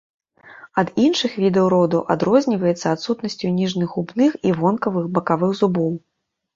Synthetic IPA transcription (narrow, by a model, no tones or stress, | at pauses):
ɐd̪inʂɨxvʲid̪ɛwɾɔd̪ɐʔa̰d̪ɾɔzʲnʲivɐjɛt̪sːɐːt̪sut̪nɐsʲt͡sʲunʲiʐnɨɣubnɨxivɔnkɐvɨxbɐkavɨɣzubɔw